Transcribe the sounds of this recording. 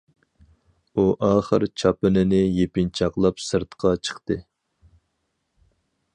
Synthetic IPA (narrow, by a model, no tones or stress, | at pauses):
uʔɑːχə̰ɾt͡ʃʰɑpɪnɪnɪjepɪnt͡ʃʰɑqlˠɑpsɨɾt̪qʰɑt͡ʃʰə̥χt̪ɨ